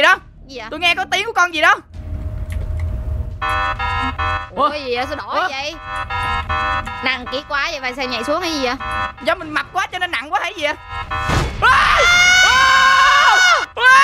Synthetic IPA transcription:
ɗɔ˨˦ | t̪u˧jŋɛ˧kɔ˨˦t̪i˨˦əŋku˧˩ə˦kɔ˧nzi˨˩ɗɔ˨˦˧ | ʔkɔ˨˦zi˨˩ʔə˨˦sɗo˧˩˧jə̰˧˨j | na̰˧˩˨ŋki˨˧˦kwaː˨˦jə̰˨jvaː˨˩sɛ˧ɲa̰˧˨jsu˨˦əŋʔa˨˦zi˨˩ʔa˨˦zɔ˨˦mï˨˩ŋ̟ma˨˩p̚kwaː˨˦t͡ɕɔ˧ne˧nːa̰˧˨ŋkwaː˨˦ha˧˨˩jzi˨˩ʔa˨˧˦

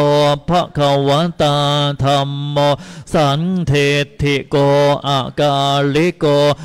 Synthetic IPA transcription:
o˧pʰa˦˥kʰa˧wa˨˦˥nt̪a˧t̪ʰa˧mːo˧sa˨˦nt̪ʰe˧t̪ʰi˧˩ko˧ʔa˨˩ka˧li˦ko˧

